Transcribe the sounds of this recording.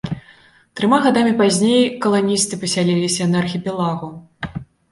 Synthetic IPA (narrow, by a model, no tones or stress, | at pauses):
t̪ɾɨmaɣad̪amʲipazʲnʲejkɐlˠanʲist̪ɨpɐsʲalʲelʲisʲɐnɐɐrxʲipʲɛlˠaɣu